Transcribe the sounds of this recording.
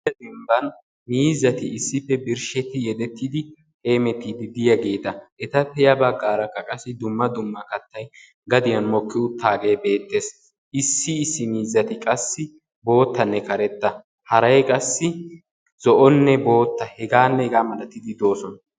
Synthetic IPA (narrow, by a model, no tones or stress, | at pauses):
ɐd̪ɛmbɐn | miːzɐt̪ɪɪsːɪfːɛbɪɾʃɛt̪ːɪjɛd̪ɛt̪ːɪd̪ɪ | he̞ːmɛt̪ːid̪ɪd̪ɪjɐɡe̞ːt̪ɐʔɛt̪ɐpːɛjɐbɐɡːaːɾɐkːɐkʼɐsːɪd̪ʊmːɐd̪ʊmːɐkɐt̪ːɐj | ɡɐd̪ɪjɐnmɔkːɪʊt̪ʰːaːɡe̞ːbe̞ːt̪ːeːs | ʔɪsːɪɪsːɪmiːzːɐt̪ɪkʼɐsːɪ | bo̞ːt̪ːɐnːɛkɐɾɛt̪ːɐ | hɐɾɐjkʼɐsːɪ | z̥ɔʔɔnːɛbo̞ːt̪ːɐhɛɡaːnːɛhɛɡaːmɐlɐt̪ːɪd̪ɪd̪o̞ːsɔnɐ